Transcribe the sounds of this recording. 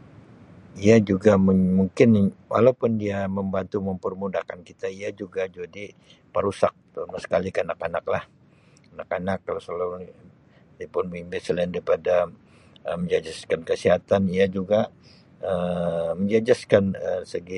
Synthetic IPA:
iad͡ʒuɡamuŋkɪnwʔa̰lawpʊndiaməmbant̪uməmpərmudahkankit̪aiad͡ʒuɡad͡ʒadi | pəɾusak̚t̪umasə̥kalikəanakanak̚lah | anakanakːalasalo | diapʊnbimbɪsəlandaɾipada | əməɲd͡ʒad͡ʒaskankəsiɦat̪aniad͡ʒuɡa | əməɲd͡ʒad͡ʒaskanəsəɡi

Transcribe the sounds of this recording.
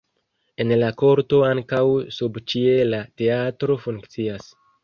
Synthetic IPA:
e̞nlako̞ɾto̞aŋkawsubt͡ʃie̞late̞atɾo̞fuŋkt͡sias

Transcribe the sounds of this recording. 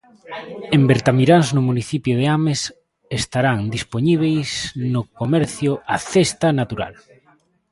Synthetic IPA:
embeɾt̪amiɾanznʊmuniθipjoð̞eames | est̪aɾaŋd̪ispoɲiβ̞ejsnʊkomɛɾθjʊʔaθest̪anat̪uɾa̰l

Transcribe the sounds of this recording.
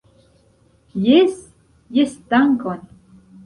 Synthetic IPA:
jes | jest̪aŋkɔn

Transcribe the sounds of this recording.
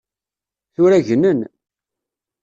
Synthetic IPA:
θʊɾæʝənən

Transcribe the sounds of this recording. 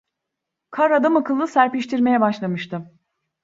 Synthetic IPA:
kʰaɾad̪amakʰɯlˠːɯsæɾpiʃt̪ʰiɾme̞jɛbaʃlˠamɯʃt̪ʰɯ

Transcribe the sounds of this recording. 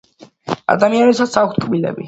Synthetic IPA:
a̰d̪amianɛsasak̚ʰst̪̚ʰkʰʼbilɛ̰bi

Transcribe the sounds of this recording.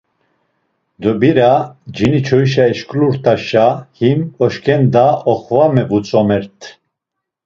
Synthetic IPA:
d̪ɔbiɾad͡ʒinit͡ʃʰɔjʃ̬aɛʃkʼluɾt̪ʼaʃahimɔʃkʰʼɛnd̪aɔχvamɛvut͡sʼɔmɛɾt̪ʰ

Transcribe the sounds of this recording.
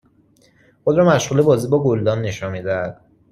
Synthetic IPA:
xod̪ɾɒːmæʃʁuːle̞bɒːziːbɒːɡold̪ɒːmne̞ʃɒːnmiːd̪ææd̪̥̚

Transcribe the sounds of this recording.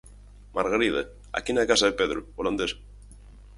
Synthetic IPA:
maɾɣaɾiða | a̰kinakasaðepeðɾooland̪es

